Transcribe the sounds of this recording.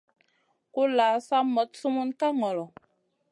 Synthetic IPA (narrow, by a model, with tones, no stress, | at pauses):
ku˦laː˨˦sa˦mɔ˨˦t̚su˦mu˦nka˦ŋɔ˨lɔ˨